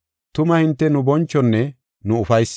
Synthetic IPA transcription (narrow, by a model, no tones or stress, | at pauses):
t̪ʊmɐhɪnt̪ːɛnʊbɔnt͡ʃːɔnːɛ | nʊʊfɐjs